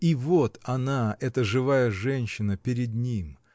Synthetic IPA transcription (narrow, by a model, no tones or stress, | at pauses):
ivot̪ɐnaɛt̪əʐɨvajəʐɛnʲɕːɪnəpʲɪɾʲɪd̪̚nʲim